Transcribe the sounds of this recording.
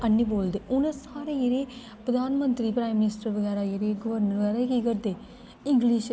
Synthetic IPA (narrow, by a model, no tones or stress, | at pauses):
ənːiːboːld̪eːʔʊnẽsaːɾeːjeɾeː | pɾəd̪aːnmənt̪ɾiːpɾaːimːɪnɪsʈəɾʋəɡaːɾaːjeɾeːɡʊʋəɾnəɾʋəɡɛːɾaːkiɡəɾd̪eː | ɪŋɡliːʃ